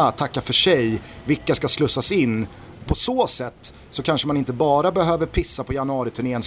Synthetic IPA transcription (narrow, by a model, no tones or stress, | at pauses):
t̪ʰːakːafœʂɛjvɪlkːaskaslɵsːasɪnː | pʰɔsoːsɛt̪ː | sɔkʰanʂəmanɪnt̪əbɑːɾabɛɦøːvəɾpʰɪsːapʰɔjanɵɑːɾɪt̪ʰɵɳeːəns